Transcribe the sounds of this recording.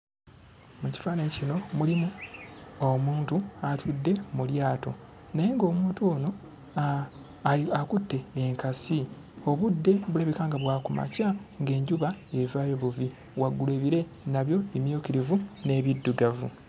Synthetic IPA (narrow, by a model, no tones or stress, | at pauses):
muci̥faːnecino̞mulimu | omuːntuatʰudːe̞muljaːto̞̰ | naje̞ŋɡo̞ːmuːntuoːno̞ | akutːe̞ːŋkasi | o̞βudːe̞βuleːβikaːŋɡaβwaːkuma̰caŋɡe̞ːɲɟuβae̞vaːjo̞βuvi | waɡːuleβiɾe̞ | naβjo̞emjoːkiɾivune̞ːβidːuɡavṵ